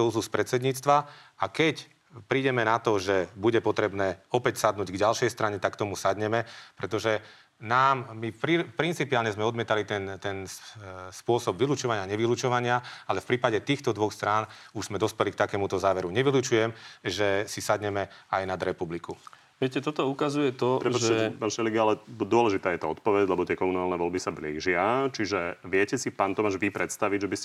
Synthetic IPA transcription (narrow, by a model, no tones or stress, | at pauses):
ɔuzuspɾɛt̪sɛd̪ɲiːt͡st̪ʋaakɛc | pɾiːɟɛmɛnat̪ɔʒɛbuɟɛpɔt̪ɾɛbnɛːɔpɛcsad̪nuːɟɡɟalʃɛjst̪ɾaɲɛt̪akːt̪ɔmusad̪ɲɛmɛpɾɛt̪ɔʒɛ | naːmːipɾipɾint͡sipiaːlɲɛzmɛɔd̪mɪɛt̪alit̪ɛnt̪ɛnspʊɔsɔbʋilut͡ʃɔʋaɲɪaɲɛʋilut͡ʃɔʋaɲɪaalɛfpɾiːpaɟɛt̪iːxt̪ɔd̪ʋɔxst̪ɾaːnuʒzmɛd̪ɔspɛlik̚t̪akɛːmut̪ɔzaːʋɛɾuɲɛʋilut͡ʃujɛmʒɛsisad̪ɲɛmɛajnad̪ɾɛpubliku | ʋɛcɛt̪ɔt̪ɔukazujɛt̪ɔpɾɛpʒɛɛpanʃɛliɡialɛd̪ʊɔlɛʒit̪aːjɛt̪aɔt̪̚pɔʋɛɟlɛbɔt̪ɪɛkɔmunaːlnɛʋɔlbisablḭːʒɪat͡ʃiʒɛʋɪɛcɛsipaːnt̪ɔmaʒʋipɾɛt̪st̪aʋiɟʒɛbiscɛ